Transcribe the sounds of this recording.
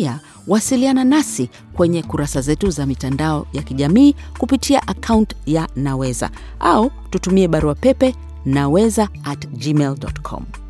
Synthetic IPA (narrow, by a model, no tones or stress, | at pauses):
a | wasiliananasi | kwɛɲɛkuɾasazɛtuzamitandaɔjakiʄamiːkupitʰiaʔakʰauntjanawɛza̰ | ʔau | tutumiɛɓaɾuapɛpɛ | nawɛzaːtd͡ʒimɛldɔ̰tkʰɔ̰m